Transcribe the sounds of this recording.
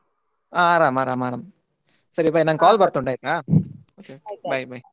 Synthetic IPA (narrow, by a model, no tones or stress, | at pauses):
aːɾaːmaɾaːmaːɾam | sɐɾibaːjnaːɡkaːlpɐɾt̪ːʊʊɳɖaːɪɾʈːẽaːoːkeokbɐjbɐj